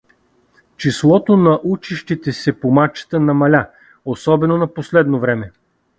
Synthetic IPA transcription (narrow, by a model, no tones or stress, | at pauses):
t͡ʃislˠɔt̪onɐʔut͡ʃiʃt̪it̪ɛsɛpomat͡ʃə̥t̪ənɐmɐlʲa | osɔbɛnonɐposlɛd̪novɾɛmɛ